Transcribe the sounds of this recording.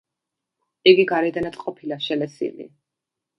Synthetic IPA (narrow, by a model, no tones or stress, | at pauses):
iɡiɡaɾɛd̪anat̪ʼqʼɔpʰilaʃɛlɛsḭlḭ